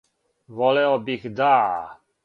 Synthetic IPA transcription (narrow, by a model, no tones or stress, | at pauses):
vɔlɛɔbixd̪a